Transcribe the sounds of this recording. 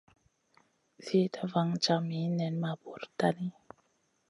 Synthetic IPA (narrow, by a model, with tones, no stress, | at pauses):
ze˦ta˦va˦ŋt͡ʃa˨mi˨˦nɛ˨nma˨bo˨ɾta˦ni˦